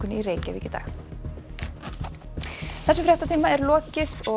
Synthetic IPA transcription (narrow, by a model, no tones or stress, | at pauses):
ʏniɾeːjcavḭːcɪ̥t̪a̰ːx | θɛsʏmfɾɛht̪at̪ʰiːmaɛɾlɔːcɪθɔ